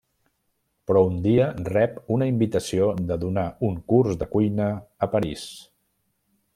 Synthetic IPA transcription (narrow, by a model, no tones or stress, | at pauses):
pɾɔund̪iərɛpunəimbit̪əsioðəðunauŋkurzðəkujnəːpəɾis